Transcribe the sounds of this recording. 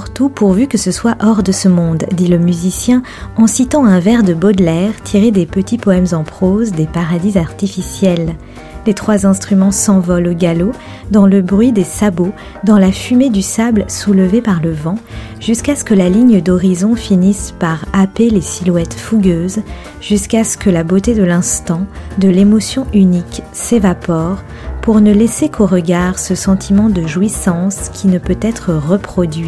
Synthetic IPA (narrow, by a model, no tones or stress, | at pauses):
ʁt̪upuʁvykəsəswaʔɔʁd̪əsəmɔ̃d̪ːiləmyzisjɛ̃ | ɑ̃sit̪ɑ̃ɛ̃vɛʁd̪əbɔd̪lɛʁt̪ʰiʁed̪epət̪ipɔɛmzɑ̃pχozd̪epaʁad̪izaʁt̪ifisjɛl | d̪et̪χwazɛ̃st̪χymɑ̃sɑ̃vɔloɡalo | d̪ɑ̃ləbʁɥid̪esabo | d̪ɑ̃lafymed̪ysablsulvepaʁləvɑ̃ | ʒ̥yskasə̥kəlaliɲd̪ɔʁizɔ̃finispaʁapelesilwɛt̪fuɡʲøz | ʒyskasə̥kəlabot̪ed̪əlɛ̃st̪ɑ̃d̪əlemɔsjɔ̃ynik | sevapɔʁ | puʁnəlesekʰoʁəɡaʁsəsɑ̃t̪ʰimɑ̃d̪əʒwisɑ̃skʲʰinəpøt̪ɛt̪χəʁəpχɔd̪ɥi